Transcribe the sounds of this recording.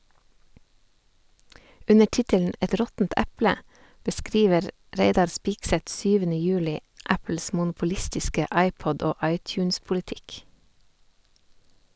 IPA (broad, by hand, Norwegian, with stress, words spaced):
ˈʉnə ˈʈɪtəln̩ ˈɛt ˈɾɔtn̩t ˈʔɛplə bəˈskɾiːʋəɾ ˈɾeɪdɑɾ ˈspɪksɛt ˈsyːʋənə ˈjʉːlɪ ˈæpl̩s mʊnpʊˈlɪstɪskə ˈʔɑɪˌpɔd ˈoː ˈɑɪtˌçʉːnspʊlɪˌtɪk